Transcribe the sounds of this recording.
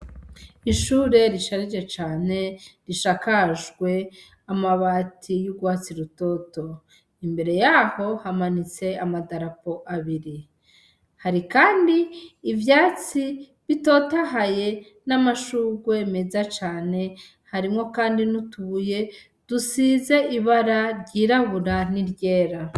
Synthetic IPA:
iʃuːɾe̞ɾiʃaɾid͡ʒe̞t͡ʃaːne̞ɾiʃakaʒɡwe̞ | amaβaːtʰijuɡwaːt͡siɾuto̞to̞ | imbe̞ɾe̞jaho̞hamanit͡se̞amadaɾapo̞ʔaβiɾi | haɾikaːndiːvjaːt͡si | βito̞taɦaje̞ | namaʃuːɡweme̞zat͡ʃaːne̞ | haɾimŋo̞kaːndinutuβuje̞ | d̥usiːze̞ʔiβaɾaɾɟiːɾaβuɾaniɾɟe̞ːɾa

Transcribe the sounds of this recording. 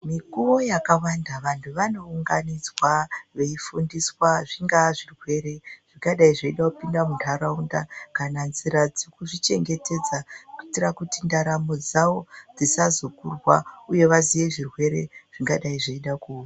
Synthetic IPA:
mikuʋo̞jakawandaʋantʰuʋano̞uŋɡanid͡zwaʋe̞ifundiswaʐiŋɡaʐirwe̞ɾe̞ʐ̥iŋkaɗaiʐeiɗakupindamuntʰaɾaundakananziɾad͡zekuʐit͡ʃe̞ŋɡe̞te̞d͡zakuitirakutindaɾamod͡zawo̞d͡zisazukurwauje̞ʋazije̞ʐirwe̞ɾeʐ̥iŋɡaɗaiʐeiɗakuwa

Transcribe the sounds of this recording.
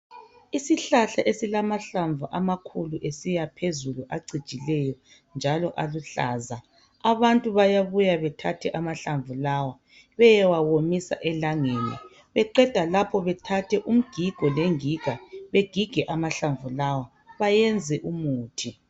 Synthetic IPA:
isiɬaɬaʔesilamaɬaɱvʱuʔamakʰuluʔesijapʰezuluʔaɡ͡ǀid̥ʒ̥ʱʼilɛjɔ | nd͡ʒʱalɔʔaluɬa̰ːza | aβantʼuβajaβujaβɛtʰatʰɛʔamaɬaɱvulawa | βɛjɛwawomisa̰ʔɛlaŋenḭ | βɛǃɛd̥ʱalapʰɔβɛtʰatʰɛʔum̩ɡ̥ʱiɡ̥ʱɔleŋiɡ̥ʱaβeɡ̥ʱiɡ̥ʱɛʔamaɬaɱvulawa | βajɛnd͡zʱɛʔumuːtʰi

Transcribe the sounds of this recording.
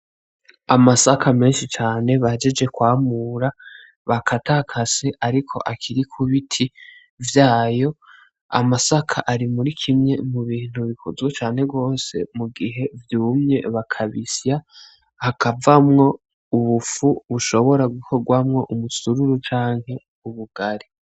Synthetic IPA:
amasakʰame̞ːnʃit͡ʃaːne̞βahed͡ʒed͡ʒe̞kwaːmuːɾa | βakʰatʰakʰaseʔaɾikʰo̞̰ʔakʰiɾikʰuβitʰi | vjaːjo̞ | a̰masakʰaʔaɾimuɾikʰimɲe̞muβiːn̥huβikʰuzɡwet͡ʃaːnhe̞bɡo̞ːse̞̰muɡiɦe̞vjuːmɲe̞βakʰaβisja | hakavamŋo̞ | uβufuβuʃo̞βo̞ɾaɡukʰo̞ɡwamŋo̞ʔumusuɾuɾut͡ʃaːŋ̥he̞ | uβuɡ̥aɾi

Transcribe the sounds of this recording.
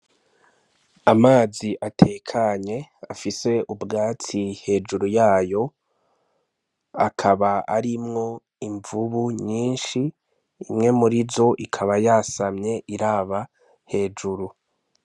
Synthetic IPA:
amaːziʔatʰe̞kʰaɲe̞afise̞ubɡaːt͡sihe̞ːd͡ʒuɾujaːjo̞ | a̰kʰaβaa̰ɾimŋo̞ | iɱvuβuɲiːnʃiː | mŋe̞muɾizo̞ʔikʰaβajasamɲe̞ʔiɾaːβa | he̞ːd͡ʒuɾu

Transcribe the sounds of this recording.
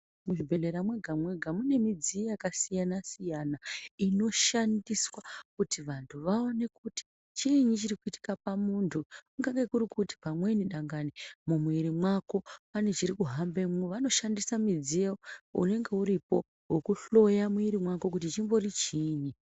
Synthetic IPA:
muʐibʱe̞le̞ɾamwe̞ɡʱamwe̞ɡʱamune̞mid͡ziejakasijanasijanaino̞ʃandiswakutiʋantʰuʋao̞ne̞kuti̥ | t͡ʃiɲit͡ʃirikuiti̥kapamuntʰukuŋɡaɡekurikuti̥pamwe̞niɗaŋɡanimumuiɾimwako̞pane̞t͡ʃiɾikuɦambemʋano̞ʃandisamid͡zieoṵne̞ŋɡe̞uɾipo̞ | ɦokuɬo̞jamuiɾimwako̞k̬utit͡ʃimbo̞rit͡ʃiːɲi

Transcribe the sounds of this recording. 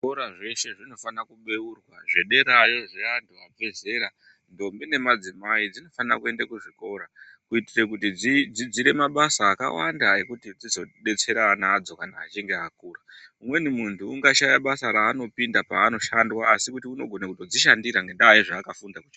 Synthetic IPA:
koɾaʐe̞ʃe̞ʐino̞fanakuɓe̞urwaʐeɗe̞ɾaeʐeantʰuab͡ve̞ze̞ɾa | ndo̞mbine̞mad͡zimaid͡zino̞fanira̰kue̞ndakuʐiko̞ɾa | kuitire̞kutid͡zid͡zid͡ziɾe̞maɓasaːka̰wa̰ndae̞kutid͡zizo̞ɗe̞t͡se̞ɾanad͡zo̞kanaːt͡ʃiŋɡe̞ɦakuːraumwe̞nimuntʰuːŋɡaʃajaɓasaɾaːno̞pindapaːno̞ʃandwaːsikutiuno̞ɡʱo̞nakuto̞d͡ziʃandiɾaŋɡe̞ndaːiʐaːkafundakut͡ʃa

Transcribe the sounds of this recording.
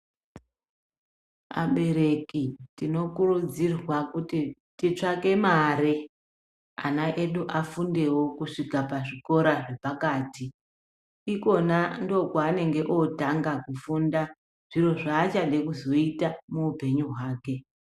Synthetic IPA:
a̰ɓe̞ɾe̞kitino̞kurud͡zirwakuti | tit͡ʂake̞maɾe | a̰naʔe̞ɗuʔafunde̞wo̞kuʂikapaʐiko̞ɾaʐe̞pakaːti | iko̞nando̞kwaːne̞ŋɡe̞ʔo̞taŋɡakufunda | ʐ̥iro̞ʐaːt͡ʃane̞kuzo̞itamuupe̞ɲuɦwaːke̞

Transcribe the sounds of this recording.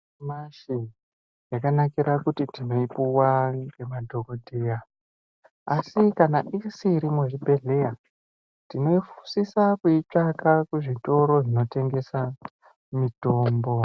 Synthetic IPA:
maʃi | jakanakiɾʔakutitino̞ipuwaŋɡe̞madʱo̞kodʱeja | asikanaʔisiːɾimuʐibʱe̞ɮe̞ja | tino̞ifu̥sisakuit͡ʂakakuʐito̞ɾo̞ʐino̞te̞ŋɡe̞sa | mito̞ːmbo̞

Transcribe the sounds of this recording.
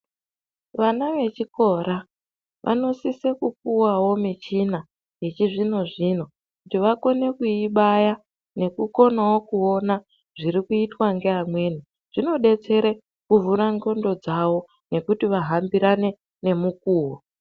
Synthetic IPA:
ʋanaʋe̞t͡ʃiko̞ɾa | ʋʔa̰no̞sisekup̚uwawo̞mit͡ʃina | je̞t͡ʃiʐino̞ʐino̞ | kutiʋako̞ne̞kuiɓaja | ne̞kuko̞nawo̞kuo̞na | ʐ̥iɾikuitwaŋɡe̞amwe̞ːni | ʐ̥ino̞ɗe̞t͡se̞ɾe | kuvuɾaŋɡo̞ndo̞d͡zawo̞ | ne̞kutiʋaɦambiɾane̞ | ne̞mukuːɦo

